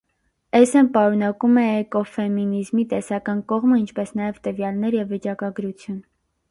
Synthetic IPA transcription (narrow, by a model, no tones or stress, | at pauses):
ɛsɛmpɑɾunɑkumɛːkɔfɛminizmit̪ɛsɑkɑnkɔʁməint͡ʃʰpɛsnɑjɛvt̪əvjɑlnɛɾjɛvːit͡ʃɑkɑɡɾut͡sʰjun